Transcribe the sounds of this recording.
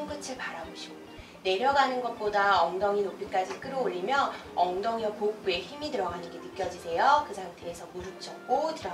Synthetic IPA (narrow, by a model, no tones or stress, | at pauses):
ŋɡ͈ɯt͡ɕʰɯɭpaɾaboɕʰiɡo | ne̞ɾjʌɡanɯnɡʌt̚p͈odaʌŋdʌŋinop͈ik͈ad͡ʑik͈ɯɾoːʎːimjʌʌŋdʌŋjʌpop͈ue̞çimitɯɾʌɡanɯnɡe̞nɯk͈jʌd͡ʑisʰe̞jokɯsʰaŋtʰeesʰʌmuɾɯp̚t͡ɕ͈ʰʌk͈otɯɾʌ